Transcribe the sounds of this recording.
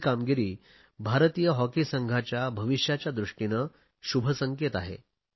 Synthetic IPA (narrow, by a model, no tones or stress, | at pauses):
kamɡiɾiː | bʱaɾt̪ijəɦɔkisəŋɡʱat͡ɕjabʱəʋiɕjat͡ɕjad̪ɾuʂʈinə | ɕubʱəsəŋket̪aɦḛ